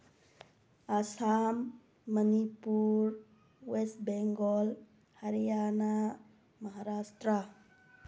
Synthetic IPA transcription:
asamː | ənipuɾ | wesʈbeŋɡɔl | həɾijana | məɦaɾasʈ̪ɾə

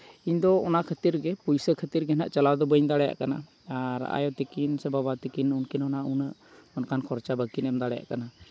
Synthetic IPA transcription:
iɲd̪ɔɔnakʰət̪iɾɡɛpujsəkʰət̪iɾɡɛhəna̰ʔt͡ʃalawd̪ɔbəɲd̪aɽɛja̰ʔkana | aɾa̰jɔt̪ikinsɛbabat̪ikinunkinɔnaʔunəʔ | ɔnkankʰɔɾt͡ʃabəkinɛmd̪aɽɛja̰ʔkana

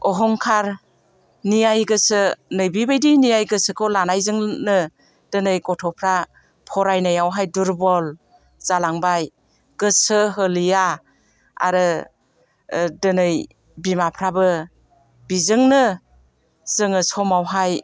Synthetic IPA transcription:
ɔɦɔŋkʰaɾ | nijajɡɯsɯnɯjbibajdinijajɡɯsɯkʰolanajzɯŋnɯ | d̥ɯnɯjkɔtʰɔpʰɾa | pʰɔɾajnajawɦajduɾbɔl | z̥alaŋbaj | ɡ̥ɯsɯɦəlija | a̰ɾɯ | dɯnɯj | bimapʰɾabɯ | bizɯŋnɯ | z̥ɯŋɯsɔmawɦaj

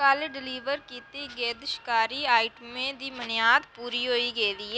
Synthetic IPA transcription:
kaːlɖɪliːʋəɾkiːt̪iɡeːd̪ʃkaːɾiaːɪʈmẽd̪iːmənɪjaːd̪puːɾiɦoːiɡeːd̪iː

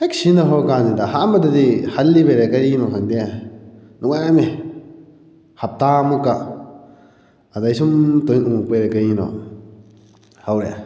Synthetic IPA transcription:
ek̚sinaɦɔkanzidaɦaʔmadadihalːibeɾekaɾinɔkʰaŋdia | nuŋamɛ | hap̚tamukːa | adajsumtojnuŋuk̚peɾɛkaɾinɔ̰ | hawɾɛ

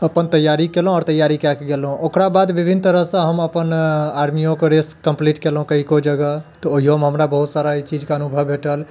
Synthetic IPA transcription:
əpənt̪əjːaɾikelɦũɔːɾt̪əjːaɾikakeɡelɦũʔokɾabad̪bibʱinːt̪əɾəɦsə̃ɦəməpənaɾmijõkeɾeskəmpliʈkelɦũkəɦikod͡ʒəɡət̪ɔoiomɦəmɾabəɦut̪saɾait͡ʃid͡ʒkeənubʱəbʱeʈəl

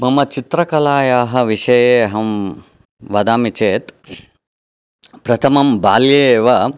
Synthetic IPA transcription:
mɐmɐt͡ʃit̪ɾɐkɐlaːjaːɦɐ̆ʋiʂɐjeːɦɐm | ʋɐd̪aːmit͡ʃeːt̪ | pɾɐt̪ʰɐmɐmbaːljeːʋɐ

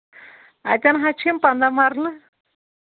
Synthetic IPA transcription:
a̰t̪ʲanɦat͡ʃʰimpand̪amaɾlɨ

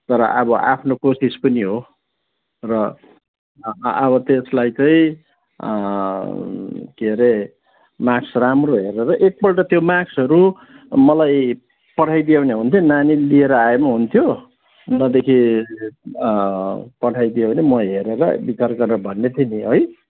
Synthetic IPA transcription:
t̪ʌɾʌ̰ʔʌbʌʔa̰pʰnokosispʌniɦo | rʌ | ʌβʌt̪eslajt͡sʌĩ | keɾe | maksramroɦeɾeɾʌʔek̚bʌlʈʌt̪jomaksɦʌɾu | mʌlaj | pʌʈʰajd̪ijawneɦunt̪ʰonanilieɾʌaemʌɦunt̪ʰjo | nʌd̪ekʰi | pʌʈʰajd̪ijawnemʌɦeɾeɾʌ̰bit͡sarɡʌɾeɾʌbʱʌnːet̪ʰiniɦoj

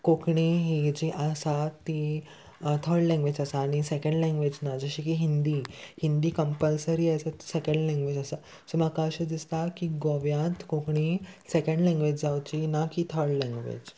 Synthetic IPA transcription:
kokɳiɦid͡ʑiʔasat̪ːi | t̪ʰəɾɖlɛ̃ŋɡʋed͡ʑasaːɽ̃isekə̃ɳɖlɛ̃ŋɡʋed͡ʑnad͡zəɕiːkiɦind̪iːhind̪iːkəmpəlsəɾiːasat̪sekə̃ɳɖlɛ̃ŋɡʋed͡ʑəsa | səmakaɕəd̪ist̪akiɡoʋjãt̪kokɳisekə̃ɳɖlɛ̃ŋɡʋed͡ʑd͡zawt͡ɕinakit̪ʰəɾɖlɛ̃ŋɡʋḛd͡ʑ

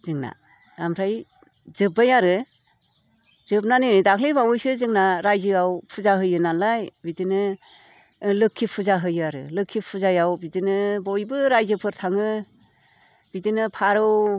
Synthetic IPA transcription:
zɯŋna̰ | damɾʰaj | zɯbajaɾɯ | zɯp̚nanenɯdakʰlebawɯjsɯzɯŋnaɾajzɯawpʰɯzaɦɯjɯnanlajbidinɯ | lɯkʰːipʰɯzaɦɯjɯaɾɯ̰lɯkʰːipʰɯzajawbidinɯbojbɯɾajzɯpʰɯɾtʰaŋɯ | b̥idinɯpʰaɾɯw

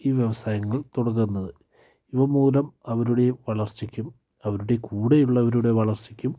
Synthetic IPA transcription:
iːʋje̞ʋɐsaːjɐŋːɐɭt̪uɽɐk̬ːunːɐðɨ | iʋɐmuːɾɐmɐʋɐɾuɽe̞ʋɐɭɐrt͡ɕikʲːum | ɐʋɐɾuɽe̞kuːɽejuɭːɐʋɐɾuɽe̞ʋɐɭɐrt͡ɕikʲːum

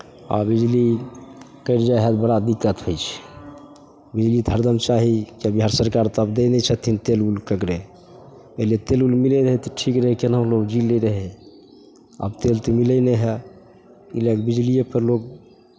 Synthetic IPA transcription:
a̰bid͡ʒli | kəjɾd͡ʒajɦɛt̪bəɽad̪ikːət̪ɦot͡ʃʰɛ̥ | bid͡ʒlid̪ʱəɾd̪əmt͡ʃaɦikiəbiɦaɾsəɾkaɾt̪ɔəbd̪enɛt͡ʃʰət̪ʰint̪elulkəkɾe | əɦlet̪elulmilɛɾəɦɛt̪ɔʈʰikɾəɦɛkenə̃loɡd͡ʒileɾəɦɛ | ə̰bt̪elt̪əmilɛnɛɦɛ | ilekbid͡ʒlijepʰəɾlok̚

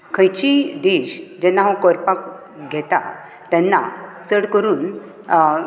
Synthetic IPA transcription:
kʰə̃jt͡ɕid̪eɕd͡ʑɛnːaɦãkɔɾpak | ɡʱɛt̪a̰ | t̪ɛnːa̰t͡səɽkəɾuːn

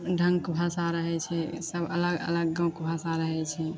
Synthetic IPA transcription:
ɖʱəŋɡkbʱasaɾəɦɛt͡ʃʰɛsəbələɡə̰ləɡːãw̃kbʱasaɾəɦɛt͡ʃʰɛ

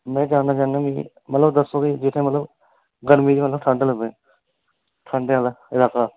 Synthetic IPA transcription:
mɛ̃ːd͡ʒãːnd̪aːt͡ʃãːnãːmĩː | mət̪ləbd̪əsõːkid͡ʒɪt̪ʰːẽːmət̪ləb | ɡəɾmiːd͡ʒiːmət̪ləb̚t̪ʰãːɳɖeːləbẽː | t̪ʰãːɳɖeːlaɪlaːkaː

